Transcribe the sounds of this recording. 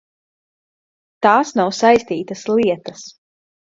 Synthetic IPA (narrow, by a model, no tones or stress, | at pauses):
t̪aːsnawsajst̪iːt̪ɐsliɛt̪ɐs